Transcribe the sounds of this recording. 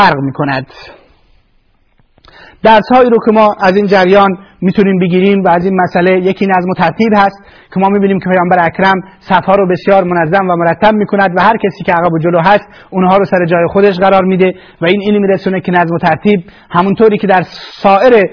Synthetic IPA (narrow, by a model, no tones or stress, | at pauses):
fæɾɣmiːkʰonæd̪̥ | d̪̥æɾshɒːiːɾoːkʰʲemɒːʔæziːnd͡ʒæɾjɒːnmiːt̪ʰuniːmbeɡiːɾiːmvæːziːnmæsʔælejekʰiːnæzmot̪ʰæɾt̪ʰiːbhæst̪̚ | kʰemɒːmiːbiːniːmkʰepʰejɒːmbæɾeækɾæmsæfhɒːɾobe̞sjɒːɾmonæzːæmvæmoɾæt̪ʰːæb̚miːkʰonæd̪væhæɾkʲʰesiːkʲeæɣæbod͡ʒoloɦæst̪ | unɦɒːɾoːsæɾed͡ʒɒːjexod̪eʃ̬ɢæɾɒːɾmiːd̪e | væiːniːnmiːɾesuːnekʰʲenæzmot̪ʰæɾt̪ʰiːb̚ | hæmunt̪ʰoːɾiːkʲʰe̞d̪æɾsɒːʔeɾe